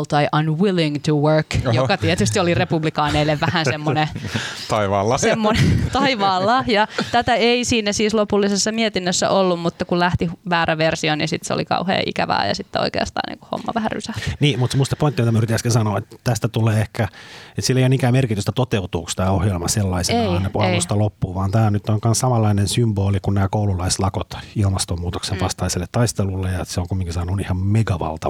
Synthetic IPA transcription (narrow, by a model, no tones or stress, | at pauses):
lt̪ɑiʔɑnwiliŋt̪uwɜ˞kjokɑt̪iet̪yst̪iolirepublikɑːneilːeʋʋæhænsemːonet̪ɑiʋɑːlːɑsemːonet̪ɑiʋɑːlːɑhjɑt̪æt̪æeisiːnːæsiːslopulːisesːɑmiet̪inːøsːæ̰ʔolːummut̪ːɑkullæht̪iʋæːɾæʋersionisit̪seo̰likɑ̰uhḛːʔḭkæʋæ̰ːjɑ̰sit̪ːeo̰ikḛɑst̪ɑ̰ːnḭːŋku̥ho̰mːɑ̰ʋæhæry̰sæhtniːmut̪semust̪ɑpoint̪ːimit̪æmæyrit̪ːæskinsɑnoːet̪ːæt̪æst̪æt̪uleːehkæet̪silːeijonikæːmerkit̪yst̪æt̪ot̪eut̪uːkst̪æːohjelmɑselːɑiseɑnnepuɑust̪ɑlopːuːʋɑːnt̪æːnyt̪ːoŋkɑnssɑmɑlːɑinensymboːlikunnæːkoululɑislɑkot̪ilmɑst̪omuːt̪oksenʋɑst̪ɑiselːet̪ːɑist̪elulːejjɑseoŋkumːiŋkisɑːnunihɑmmeɡɑʋɑ̰lt̪ɑ